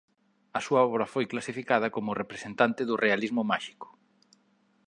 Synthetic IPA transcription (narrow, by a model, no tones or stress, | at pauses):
ɐsuaɔβɾɐfojklasifikað̞ɐkomʊrepɾesent̪ant̪ɪðʊrʔealizmʊmaʃi̥kʊ̥